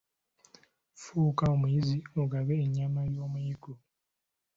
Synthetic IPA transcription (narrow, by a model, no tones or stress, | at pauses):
fuːkaomujizioɡaβeːɲːamajoːmujiku